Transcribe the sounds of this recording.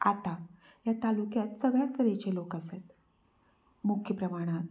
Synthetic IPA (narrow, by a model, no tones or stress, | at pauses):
a̰t̪a | jat̪alukjat̪səɡɭjakəɾet͡ɕelokəset̪ | mukʰjəpɾəmaɽ̃at̪